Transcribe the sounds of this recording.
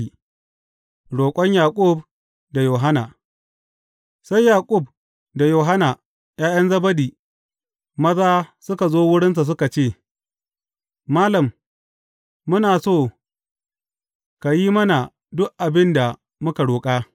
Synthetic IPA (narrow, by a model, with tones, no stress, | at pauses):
ɽoː˨kʷʼɔ˦ɲjaː˨kʷʼʊ˦˨b | da˨joː˨ɦa˦na˨ | sa˦jːaː˨kʷʼʊ˦˨b̚ | da˨joː˨ɦa˦na˨ | jaː˦j̰ɐ˦nzɐ˦bɐ˦diː˨ | mɐ˦zaː˦sʊ˦ka˨zoː˦wʊ˦ɽɪ˦ns̬a˨s̬ʊ˦ka˨t͡ʃeː˦˨ | maː˦lɐ˨m | ʊ˦naː˨soː˦˨ | ka˨jiː˦mɐ˦na˨ | dʊ˦ʔʔa˨bɪ˦nda˨ | mʊ˦ka˨ɽoː˨kʼaː˦